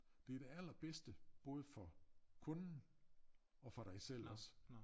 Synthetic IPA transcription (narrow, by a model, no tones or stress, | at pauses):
d̥e̝æɐd̥e̝æl̰ɐb̥esd̥əb̥ɔ̽ːð̞ˠəfɒ̽kʰɔ̽nn̩ | ɒ̽fɒ̽ɾ̥ɑ̈ɪsel̰ɒ̽s